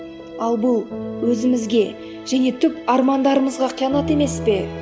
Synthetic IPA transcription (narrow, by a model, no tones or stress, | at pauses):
ɑlˠbʊlˠwɵzɪmɪzɡʲe̞ | ʒ̥æne̞t̪ʰʏpɑɾmɑnd̪ɑɾəməzʁɑqʰijɑnɑt̪e̞me̞spe̞